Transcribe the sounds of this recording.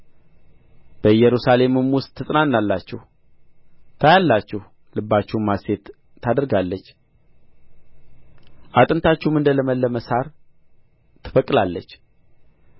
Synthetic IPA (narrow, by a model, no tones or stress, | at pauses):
b̥əjɛɾusale̞mɨmwʊst̪ʰːɨsʼnanːalːat͡ʃːɛh | t̪ʰajalːat͡ʃːɛh | lɨbːat͡ʃːɛmːase̞t̪ʰː | ad̪əɾɡalːət͡ʃː | ʔat̪ʼɨnt̪ʰat͡ʃːɛhmɨnd̪ələməlːəməsaɾ | t̪ʰɨ̥fəkʼlalːət͡ʃː